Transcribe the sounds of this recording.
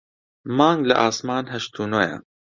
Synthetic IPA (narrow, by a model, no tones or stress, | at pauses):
mɑːŋɡlɐ̰ʔaːsmaːnɦɐʃt̪ʰuːnojɐ̰